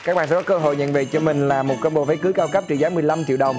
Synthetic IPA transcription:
kaː˦˥k̚ɓaː˨˩sɛ˧kɔ˨˦kəː˧ɦo̰˧˨jɲə̰˧˨nve˨˩t͡ɕɔ˧mï˨˩ŋ̟laː˨˩mo˨˩t̚kəː˧nɓo˧˨˩və˨˦jkɨ˨˦jkaː˧wkə˦˥p̚t͡ɕɨ̰˧˨zaː˨˦mɨ˨˩əjla˧mt͡ɕi˧˨wɗə˨˩wŋ͡m

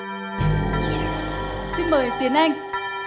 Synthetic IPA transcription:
t̪ḭ˧˥ŋməː˨˩jt̪i˨˦ənʔa˧jŋ̟

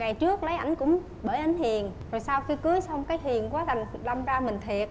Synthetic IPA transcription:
ŋa˨˩jt͡ɕɨ˦˥ək̚lə˨˦jʔa˧˩jŋ̟kʊ̰˧˥ŋ͡m | ɓəː˧˩jʔa˨˦jŋ̟hi˨˩ənzo˨˩jsaː˧wxi˧kɨ˨˦jsɔ˧wŋ͡mkaː˨˦jɦi˨˩ənkwaː˨˦la˨˩ŋɗa˧mzaː˧mï˨˩ŋ̟t̪ʰi˨˩ət̚

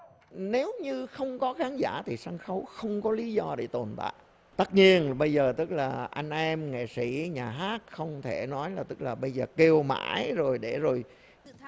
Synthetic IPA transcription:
ne˨˦wɲɨ˧xə˧wŋ͡mkɔ˨˦xaː˨˦nzaː˧˩t̪ʰi˨˩saː˧ŋxə˨˦wxə˧wŋ͡mkɔ˨˦li˨˦zɔ˧ɗe˧˩t̪o˨˩nt̪a̰ː˧˨j | t̪ə˦˥t̚ɲi˧ənɓə˧jzəː˨˩t̪ɨ˦˥k̚laː˨˩ʔa˧jŋ̟ʔɛ˧mŋḛ˧˨si˧˩ɲaː˨˩ɦaː˦˥k̚xə˧wŋ͡mt̪ʰe˧˩nɔ˨˦jlaː˨˩t̪ɨ˦˥k̚laː˨˩ɓə˧jzəː˨˩ke˧wma̰ː˧˥jzo˨˩jɗe˧˩zo˨˩j

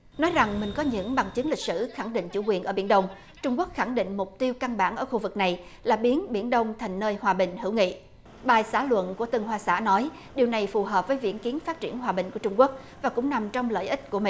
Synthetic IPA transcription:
nɔ˨˦jza˨˩ŋmï˨˩ŋ̟kɔ˨˦ɲɨ̰˧˥ŋɓa˨˩ŋt͡ɕɨ̈˨˦ŋli˨˩k̚sɨ̰˧˩xa˧˩ŋɗḭ˧˨ŋ̟t͡ɕṵ˧˩kwi˨˩ənʔəː˧˩ɓi˧˩ənɗə˧wŋ͡m | t͡ɕʊ˧ŋ͡mku˦˥ək̚xa˧˩ŋɗḭ˧˨ŋ̟mʊ˨˩k͡p̚t̪i˧əwka˧ŋɓa̰ː˧˩nʔəː˧˩xu˧vɨ˨˩k̚na˨˩jlaː˨˩ɓi˨˦ənɓi˧˩ənɗə˧wŋ͡mt̪ʰa˨˩jŋ̟nəː˧jhwaː˨˩ɓï˨˩ŋ̟hɨ˧˩˥wŋḭ˧˨ | ɓaː˨˩jsaː˧˩lwə̰˧˨nku˧˩ət̪ɨ˨˩ŋɦwaː˧sa̰ː˧˥nɔ˨˦j | ɗi˨˩əwna˨˩jfu˨˩ɦəː˨˩p̚vəː˨˦jvḭ˧˥ənki˨˦ənfaː˦˥t̚t͡ɕi˧˩ənɦwaː˨˩ɓï˨˩ŋ̟ku˧˩ət͡ɕʊ˧ŋ͡mku˦˥k̚ | vaː˨˩kʊ̰˧˥ŋ͡mna˨˩mt͡ɕɔ˧wŋ͡mlə̰ː˧˨jʔï˦˥t̟̚ku˧˩əmḭ˧˨

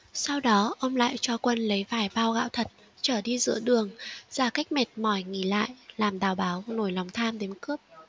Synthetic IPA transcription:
sa˧wɗɔ˨˦ʔə˧wŋ͡mla̰ː˧˨jt͡ɕɔ˧kwə˧nlə˨˦jvaː˧˩jvaː˧wɣa̰ː˧˥wt̪ʰə˨˩t̚ | t͡ɕəː˧˩ɗi˧zɨ̰˧˥əɗɨ˨˩əŋz̥aː˧˩ka˦˥jk̟̚mɛ˨˩t̚mɔ˧˩jŋi˧˩la̰ː˧˨jlaː˨˩mɗaː˨˩wɓaː˨˦wno˧˩jla˨˦wŋ͡mt̪ʰaː˧mɗe˨˦nkɨ˦˥əp̚

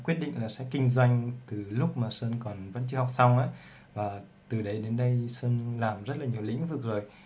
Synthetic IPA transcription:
kwi˦˥ət̚ɗḭ˧˨ŋ̟laː˨˩sɛ̰˧˥kï˧ŋ̟zwa˧jŋ̟t̪ɨ˨˩lʊ˦˥k͡p̚maː˨˩səː˧nkɔ˨˩nvə̰˧˥nt͡ɕɨ˧˦ha˨˩wk͡p̚sa˧wŋ͡mʔa̰ː˧˦ | vaː˨˩ | t̪ɨ˨˩ɗə˨˦jɗe˨˦nɗə˧jsəː˧nlaː˨˩mzə˦˥t̚laː˨˩ɲi˨˩əwlḭ˧˥ŋvɨ˨˩ək̚zo˨˩j

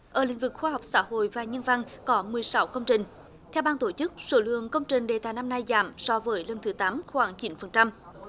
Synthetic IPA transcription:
ʔəː˧˩lï˧˥˦ŋ̟vɨ˨˩k̚xwaː˧ɦa˨˩wk͡p̚sa̰ː˧˥ɦo̰˧˨jvaː˨˩ɲə˧nva˧ŋkɔ˨˦mɨ˨˩əjsa˨˦wkə˧wŋ͡mt͡ɕï˨˩ŋ̟ | t̪ʰɛ˧wɓaː˧nt̪o˧˩t͡ɕɨ˦˥k̚so˧˦lɨ̰˧˨əŋkə˧wŋ͡mt͡ɕï˨˩ŋ̟ɗḛ˨˩t̪aː˧˨jna˧mna˧jza̰ː˧˩msɔ˧vəː˨˦jlə˧˩nt̪ʰɨ˨˦t̪aː˨˦mxwaː˧˩ŋt͡ɕi˨˦nfə˨˩nt͡ɕa˧m

